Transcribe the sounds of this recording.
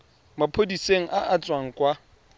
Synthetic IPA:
mapʰodiseŋ̩ʔaʔat͡sʼwaŋ̩kʼwa

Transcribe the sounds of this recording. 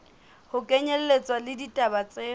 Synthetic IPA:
hʊkʼɛɲɛlɛlet͡sʼwalɪditʼabat͡sʼeː

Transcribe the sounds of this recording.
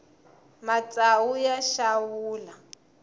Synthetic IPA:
mat͡sʼawujaʃawuːla

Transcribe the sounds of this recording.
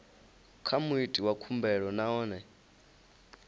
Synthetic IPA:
kʰamuitʼiwakʰumbɛɺɔnaɔːnɛ

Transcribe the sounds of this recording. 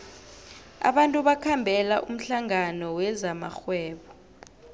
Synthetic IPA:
a̰ɓantʼuɓakʰambʱɛlaʔum̩ɬaŋanɔwɛzama̰xwɛːɓɔ

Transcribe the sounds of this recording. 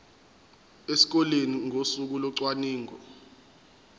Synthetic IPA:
esi̥k̬ɔleniŋosuk̬ulɔǀwaniːŋɔ

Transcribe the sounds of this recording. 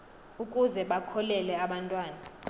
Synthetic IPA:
ukʼuzɛɓakʰɔlɛlɛaɓantʼwaːna

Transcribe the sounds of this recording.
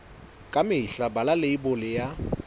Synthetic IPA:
kʼamɪiɬabalaleibʊlɪja

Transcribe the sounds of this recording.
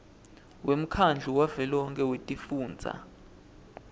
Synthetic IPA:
wʔem̩kʰand͡ɮʱuwavɛlɔɔŋkʼɛwetʼifuːnd͡zʱa̰

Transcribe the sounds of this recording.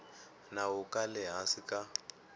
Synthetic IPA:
naɦukʼalɛɦasika

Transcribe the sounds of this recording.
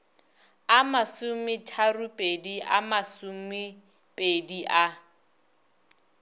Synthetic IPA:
amasumɪtʰarupʼediʔamasumɪ | pʼediʔa

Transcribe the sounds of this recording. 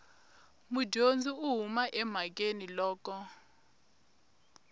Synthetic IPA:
mud͡ʒʱond͡zʱiuɦumaʔɛm̤ak̬enilɔːk̬ɔ

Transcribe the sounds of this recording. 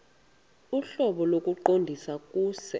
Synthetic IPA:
uɬɔɓɔlok̬ʼuǃondʱisak̬ʼuːsɛ

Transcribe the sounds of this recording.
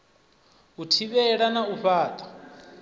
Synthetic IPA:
utʰiβɛɺanauɸaːt̪ʰʼɔ̥

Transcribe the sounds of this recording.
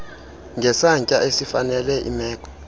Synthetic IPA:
ŋɡʱɛsaŋcʼaʔesifanɛlɛʔḭmɛːkʰʼɔ̥

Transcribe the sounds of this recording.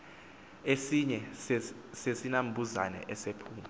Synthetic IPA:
esiɲɛ | sesinam̩bʱuza̰nɛ̰ʔɛsepʰuːma

